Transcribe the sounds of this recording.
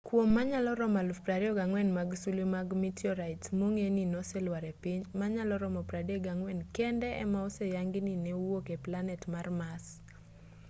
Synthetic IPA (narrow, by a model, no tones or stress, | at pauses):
kwomːaɲalɔɾɔmalpɾaɾɛɔɡaŋwɛnmaɡsulemaɡmitiɔɾajtsmoŋeninɔsɛlwaɾɛpɪɲmaɲalɔɾɔmɔpɾadɔɡaŋwɛnkɛndɛɛ̰maɔsɛjaŋɡɪninɛwwokɛplanɛtmarmas